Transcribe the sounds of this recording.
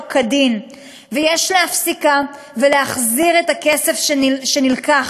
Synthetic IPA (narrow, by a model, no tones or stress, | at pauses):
kʰadin | vejeʃleafsika | veleaχziʁetake̞sefʃʃenilkaχ